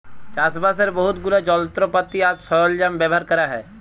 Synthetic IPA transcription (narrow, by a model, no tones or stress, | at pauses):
t͡ʃaːsbas̬əɾbəɦʊt̪ɡʊlad͡ʒɔːlt̪ɾopət̪ːiaːd͡ʒsɔɾold͡ʒambeːbʱaːɾkəɾaɦɛː